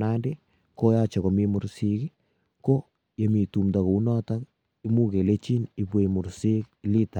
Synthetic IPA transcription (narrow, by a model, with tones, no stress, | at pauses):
na˦nde˦ | ko˦ja˦t͡ʃɔ˨ko˨mi˦mʊ˨ɾsi˦ki˦ | ko˦ | je˨mi˨tu˨mda˨ko˨u˦nɔ˦ta˦k | i˦mu˦ke˨le˦t͡ʃi˦ni˨pwe˨mʊ˨ɾsi˦kli˦ta˨